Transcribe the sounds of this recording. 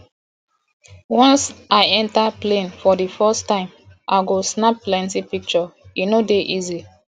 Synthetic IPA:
wɔ̃nsaɪɛ̃ntaplẽnfɔdifɜstãɪ̃mʔaɪɡosnapplɛ̃ntipik̚t͡ʃɔinodeʔizi

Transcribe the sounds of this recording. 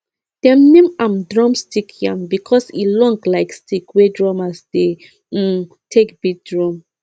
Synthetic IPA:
d̥ɛ̃mnẽmãmdɹɔ̃mstikʰjãmbikʰɔsḭlɔ̃ŋɡlaɪkstikwedɹɔmasde | tʰekbit̚dɹɔ̃m

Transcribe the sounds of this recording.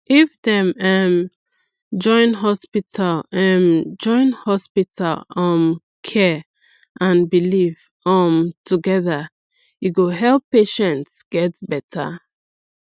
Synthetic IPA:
ʔifdɛ̃mɛm | d͡ʒɔ̃ɪ̃nɦɔspitʰalɛmd͡ʒɔ̃ɪ̃nhɔspitʰalɔ̃m | kʰɛ | ʔãnbilif | ɔmtʰuɡɛðə | juɡoɦɛlpːeʃɛ̃ntsɡ̥ɛtbɛtʰa̰

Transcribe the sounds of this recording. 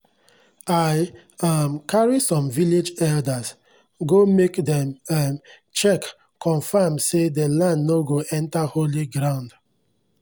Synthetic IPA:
aj | amkaɹisɔ̃mviled͡ʒɛldaz | ɡomekdɛ̃mɛm | t͡ʃɛk | kʰɔ̃nfamsedelãndnoɡoʔɛ̃ntaholiɡɾãʊ̃nd

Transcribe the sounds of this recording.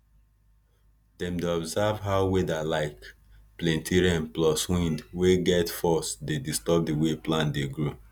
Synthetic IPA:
dɛ̃mdeɔbzavɦaʊwedalaɪk | plɛ̃ntʰiɹiɛ̃nplɔswĩndweɡɛtfɔsdedistɔb̚diweplãndeɡɹo

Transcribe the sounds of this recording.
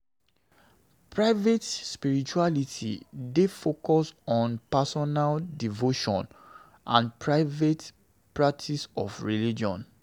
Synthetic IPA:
pʰɹaɪvetspiɹit͡ʃualitʰḭdefokɔsɔ̃npasɔnaldivoʃɔ̰̃n | ʔã̰npɹaɪvet | pɹak̚tʰisɔ̰fɹilid͡ʒɔ̰̃n

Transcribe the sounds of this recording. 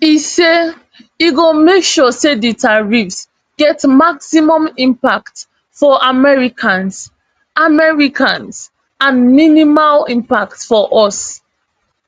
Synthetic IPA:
ise | iɡomekʃɔseditaɹifs | ɡ̥ɛtmaksimɔ̃mĩmpakt | fɔʔamɛɹikʰãns | ʔamɛɹikʰãns | ãnminimalĩmpak̚tfɔʔɔs

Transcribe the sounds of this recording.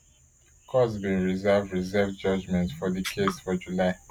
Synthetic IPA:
kʰɔzbĩnɹizɛvdɹizɛvd͡ʒʌd͡ʒmɛ̃ntfɔðikʰesfɔd͡ʒulaɪ

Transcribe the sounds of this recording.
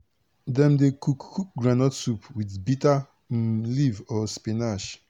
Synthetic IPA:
dɛ̃mdekukkuk̚ɡɾanɔtsupwidbita | m̩livɔspenaʃ

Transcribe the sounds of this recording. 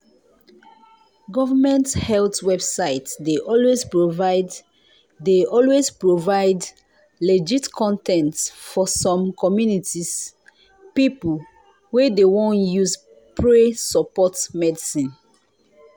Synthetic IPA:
ɡɔvəmɛ̃nthɛltwɛbsaɪtdeʔɔlwespɹovaɪd | deɔlwespɹovaɪd | led͡ʒitkʰɔ̃ntɛ̃ntsfɔsɔ̃mkɔmjunitis | pipl | wedewɔ̃njus | pɹesɔpɔtmɛdisĩn

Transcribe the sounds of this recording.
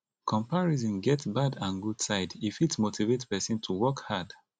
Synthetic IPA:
kʰɔ̃mpaɹizɔ̃nɡɛtsbadãnɡud̥saɪdifitsmotivetpɛsĩntʰuwɜkhad̥

